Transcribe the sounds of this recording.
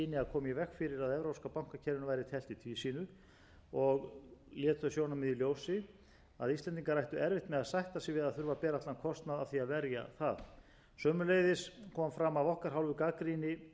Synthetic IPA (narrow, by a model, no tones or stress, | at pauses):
inɪaðkʰɔːmjɪvɛkfɪɾɪɾaðɛvɾowskapawŋ̥kacʰɛɾɪnavajɾɪt̪ʰɛlt̪ɪt̪ʰviːsiːnʏ | ɔɣljɛːt̪θœsjoːwnamɛðiljoːwsɪ | aðist̪ɛnt̪iŋkaɾrajht̪ʏɛɾvɪht̪mɛðaðsajht̪asɪvɪðaðθʏɾvapɛːɾaht̪lankʰɔst̪naðaðθiaðvɛɾja̰θað | sœːmʏlejðɪskʰɔmfɾamavɔhkaɾ̥ɦawlvʏkakɾinɪ